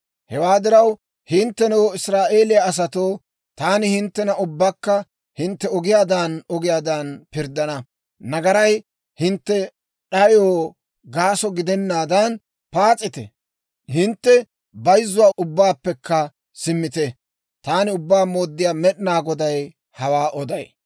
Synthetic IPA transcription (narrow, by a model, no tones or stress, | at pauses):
hɛwaːd̪ɪɾɐw | hɪnt̪ːɛnoːɪsɾaːʔe̞ːlɪjaːs̬ɐt̪oː | t̪aːnɪhɪnt̪ːɛnɐʔʊbːakːɐ | hɪnt̪ːɛɔɡɪjaːd̪anɔɡɪjaːd̪ɐnpɪɾd̪ɐnɐ | nɐɡɐɾɐj | hɪnt̪ːɛ | ɗɐjoː | ɡaːsɔɡɪd̪ɛnːaːd̪ɐn | paːt͡sʼːɪt̪ɛ̰ | hɪnt̪ːɛ | bɐjzːʊwaːʔʊbːaːpːɛkːɐ | sɪmːɪt̪ɛ | t̪aːnɪʊbːaːmo̞ːd̪ːɪjaːmɛɗɪnaːɡɔd̪ɐj | hɐwaːʔɔd̪ɐj